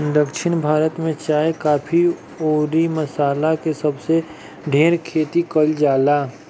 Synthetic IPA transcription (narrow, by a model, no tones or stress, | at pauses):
d̪əkʃɪnbʱaːɾət̪mẽt͡ʃaːekaːpʰi | oːɾimɐsaːlakesɐbse | ɖʱeːɾkʰeːt̪ikəld͡ʒaːlaː